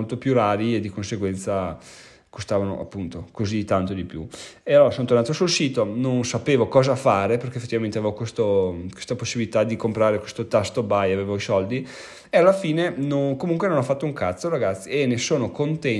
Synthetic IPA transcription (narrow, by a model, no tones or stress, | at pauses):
olt̪opjuɾaːɾied̪ːikonseɡwɛnt̪sa | kost̪aːvano̰ʔa̰pːunt̪okozit̪ant̪od̪ipjṵealoːɾasont̪oɾnat̪osulsiːt̪ononsapeːvokɔːzafaːɾeperkefːet̪ːivament̪eavevokwest̪okwe̥st̪aposːibilit̪ad̪ikompɾaːɾekwest̪ot̪ast̪obajavevoisɔld̪i | ealːafiːnenoŋkomuŋkwenonɔfːat̪ːouŋkat̪soɾaɡat̪sːienːesoːnokont̪ɛ